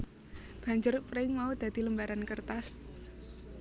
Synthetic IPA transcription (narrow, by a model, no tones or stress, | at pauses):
b̥a̤ɲd͡ʒʊrpɾɪŋmaud̪̥a̤d̪̥i̤ləmbaɾankərt̪as